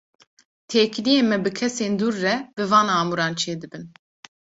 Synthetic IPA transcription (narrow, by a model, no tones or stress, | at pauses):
t̪ʰeːkʰlijeːmɛbɨkʰɛseːnd̪uːɾːɛb̥ɨvɑːnɑːmuɾɑːnt͡ʃʰeːd̪ɨbɨn